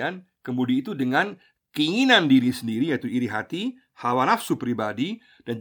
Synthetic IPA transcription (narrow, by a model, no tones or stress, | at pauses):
an | kəmudiit̪udəŋan | kəiŋinandiɾisəndiɾijait̪uiɾiɦat̪i | hawanafsupɾibadi | d̥and͡ʒ